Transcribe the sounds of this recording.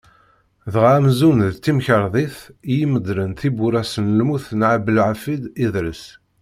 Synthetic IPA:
ðəʁamzunðt̪ːimçəɾˤðˤiθijiməd̪lənθibuɾæsənlmuθnʕabəlʕafid̪iðɾəs

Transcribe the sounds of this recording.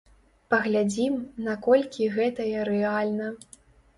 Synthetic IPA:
pɐɣlʲad͡zʲimnakɔlʲkʲiɣɛt̪ɐjɛɾɛalʲnɐ

